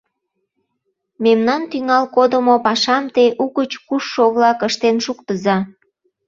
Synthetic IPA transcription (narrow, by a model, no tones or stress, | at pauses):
memnɑnt̪yŋɑlkod̪əmopɑʃɑmt̪eʔuɣət͡ɕkuʃːoɣlɑkəʃt̪enʃukt̪əzɑ